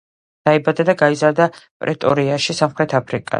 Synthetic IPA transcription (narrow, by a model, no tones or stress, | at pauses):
d̪̥aibad̪ad̪aɡaizaɾd̪apʼɾɛt̪ʼɔɾiaʃisamχɾɛt̪ʰapʰɾikʼa̰